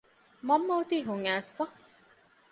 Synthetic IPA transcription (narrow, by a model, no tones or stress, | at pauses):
mɐmːɐwt̪iːɦuŋæːsfɐ